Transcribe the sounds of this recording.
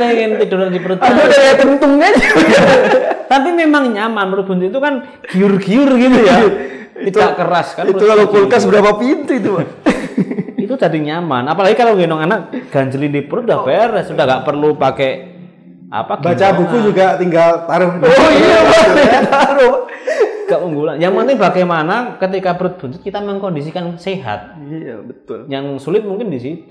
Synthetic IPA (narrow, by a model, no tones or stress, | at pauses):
eŋɪnt̪iduɾandipəɾʊt̪̚audakajat̪ənt̪ʊŋɲad͡ʒu | t̪ampimemaŋɲamanɾʊb̥uɲt̪uit̪ukan | ɡ̥iʊrɡiʊrɡit̪uja | it̪daʔkəɾaskanit̪ukalokulkas̬bəɾapapint̪uit̪u | it̪ut̪adiɲama̰napalaɡikaloŋɡenɔŋanak̚ɡ̥aɲd͡ʒəlindipəɾʊt̪̚dahfeɾɛssudahŋɡaʔpərlupake | ʔa̰pabbat͡ʃabuud͡ʒuɡat̪iŋɡalt̪aɾʊhdoiaait̪aɾʊhɡaʔpuŋɡulanjaŋpənt̪ɪŋbakemanakət̪̬ikabəɾʊt̪̚b̥uɲd͡ʒʊt̪̚kit̪aməŋkɔndisikanseɦa̰t̪̚bəʊljaŋsulɪt̪̚muŋkɪndisit̪u